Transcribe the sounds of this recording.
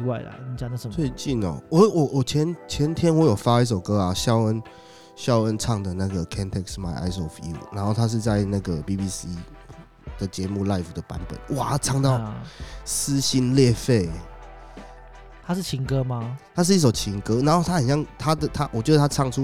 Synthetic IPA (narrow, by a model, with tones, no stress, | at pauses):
wa˥˩ɪla̰˨ni˨˥t͡ɕja˨d̪ə˨ə˨tt͡sʰwe˥˧ɪt͡ɕi˥˩nɔ̰˨˩wɔ˧˦wɔ˨˩wɔ˨˩t͡ɕʰjɛ˧˦nt͡ɕʰjɛ˧˦nt̪ʰjɛ˦˥nwɔ˨˦jo˨˩ʊfa˥i˥˩s̬o˨˩ʊkɤ˦a˨ɕjɑ˥˧ʊə˦n | ɕjɑ˥˧ʊə˦˥nʈ͡ʂʰɑ˥˩ŋd̪ə˨na˥˩ɡə˩kʰɛ˥nt̪ʰɛ˥ksma˨˩ɪʔa̰˥ɪs̬ɔ˧˥fṵ˥˨˩na˧˦nxo˥˩ʊt̪ʰa˥ʂ̬ɻ̩˥˧t͡sa˥˧ɪna˥˩ɡə˩pi˦pi˦si˥ | d̪̥ə˩t͡ɕjɛ˧˥mu˥˧la˥˧ɪfu˨˩d̪ə˩pa˧˦npə̰˨˩˦nwa˨˩ʈ͡ʂʰɑ˥˧ŋt̪ɑ˥˨ʊsɹ̩˦ɕi˥nljɛ˥˧fe˥˩ɪ | t̪ʰa˦˥ʂɻ̩˥˩t͡ɕʰi˧˥ŋkə˦˥ma˧t̪ʰa˥ʂ̬ɻ̩˥˧i˥˩ʂ̬o˨˩ʊt͡ɕʰi˧˥ŋkɤ˦˥na˧˦nxo˥˩ʊt̪ʰa˥xə˨˩nɕjɑ˥˩ŋt̪ʰa˦˥d̪ə˨t̪ʰa˥ʔwʔt͡ɕɥɛ˧˦d̪ə˧t̪ʰa˥˧ʈ͡ʂʰɑ˥˧˨ŋʈ͡ʂʰu˦